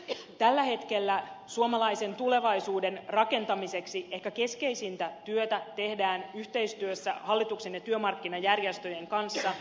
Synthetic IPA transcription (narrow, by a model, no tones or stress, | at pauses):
t̪ælːæhe̞t̪ke̞lːæsuomɑlɑise̞nt̪ule̞ʋɑisuːde̞nrɑke̞nt̪ɑmise̞ksiehkːæke̞ske̞jsint̪æt̪yøt̪æt̪e̞hdæːnyht̪e̞ist̪yøsːæ̰hɑlːit̪ukse̞njɑt̪yømɑrkːinɑjærjest̪ø̞je̞ŋkɑnsːɑ